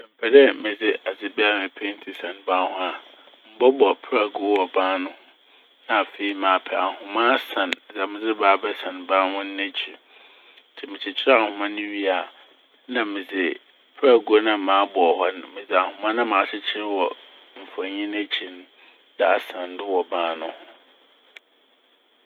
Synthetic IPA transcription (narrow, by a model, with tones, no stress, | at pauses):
ɛ˨m̩˨pʰɛ˨dɛ˦mɪ̃˨d͡zɪ˦a˨d͡zɪ˨bɛ˦a˨mɪ̃˨pʰe˦n̩˦tʰi˨sã˨nbã˦nhʊ̃˦a˨ | m̩˦bɔ˦bɔ˨pʰɾa˨ɡu˨˦wɔ˨bãː˦nʊ̃˦hʊ˦ | nã˨fe˨i˨mãː˨pʰɛ˨a˨hʊ̃˨mã˦sã˨n˨d͡za˨mɪ̃˨d͡zɪ˦baː˨˦bɛ˦sã˨nbã˦nhʊ̃˦n̩˦ne˦t͡ɕʰi˨˦ | tʰɪ˨mɪ̃˨t͡ɕʰɪ˨t͡ɕʰɪ˦a˨hʊ̃˨˦mã˦nʊ̃˦ɥi˦a˨ | nã˨mɪ̃˨d͡zɪ˨ | pʰɾa˦˨ɡu˦o˦nã˦˨mãː˨˦bɔ˨hɔ˦n˨mɪ̃˨d͡zɪ˨a˨hʊ̃˨mã˦nã˦mãː˨t͡ɕʰɪ˦t͡ɕʰɪ˦ɾwɔ˨ | m̩˨fa˨ɲĩ˦n˦æ˦t͡ɕʰi˨n˦ | da˨a˨sã˨n˦dɪ˦wɔ˨bãː˦nʊ̃˦hʊ̃˨